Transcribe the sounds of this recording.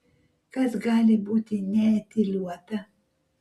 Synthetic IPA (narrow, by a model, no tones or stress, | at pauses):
kɐsɡɑːlʲɪbuːt̪ʲɪnʲɛɛt̪ʲɪlʲuɔt̪ɐ